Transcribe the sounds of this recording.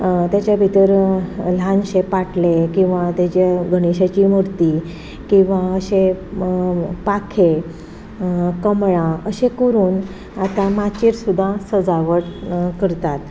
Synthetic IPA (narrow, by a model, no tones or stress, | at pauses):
t̪jat͡ɕjabʱit̪əɾlãnɕepaʈlekĩw̃ʋat̪jat͡ɕaɡʱəɽ̃iɕat͡ɕiːmoɾt̪i | kĩw̃ʋaəɕe | pakʰe | kəmɭãəɕekəɾuːn | at̪ãmat͡ɕiɾsud̪ʱːãsəd͡zaʋəɽkəɾt̪at̪̚